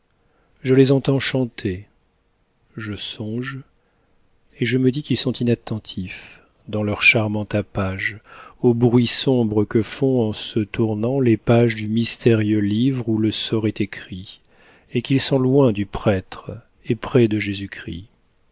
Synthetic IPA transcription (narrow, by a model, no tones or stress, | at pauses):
ʒəlezɑ̃t̪ɑ̃ʃɑ̃t̪ʰe | ʒəsɔ̃ʒ | eʒəməd̪ikʲilsɔ̃t̪inat̪ːɑ̃t̪ʰif | d̪ɑ̃lœʁʃaʁmɑ̃t̪apaʒobʁɥisɔ̃bʁəkəfɔ̃ɑ̃sət̪uʁnɑ̃lepaʒd̪ymist̪ʰeʁjølivʁuləsɔʁɛt̪ekχi | ekʲilsɔ̃lwɛ̃d̪ypχɛt̪χ | epχɛd̪əʒezykχḭ